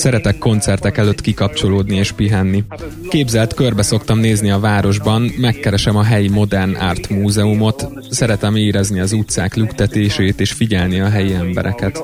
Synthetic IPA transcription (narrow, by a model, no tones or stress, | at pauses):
sɛɾɛt̪ɛkːo̞nt̪sɛrt̪ɛkɛløt̪kikɒp̚t͡ʃo̞loːd̪nieːʃpiɦɛnːi | keːbzɛlt̪kørbɛso̞kt̪ɒmneːzniɒvaːɾo̞ʒbɒnmɛkːɛɾɛʃɛmɒɦɛjimo̞d̪ɛrna̰ːrt̪muːzɛumo̞t̪ | sɛɾɛt̪ɛmeːɾɛzniɒzut̪saːklykt̪ɛt̪eːʃeːt̪eːʃfiɟɛlniɒɦɛjiɛmbɛ̰ɾʔɛ̰kɛt̪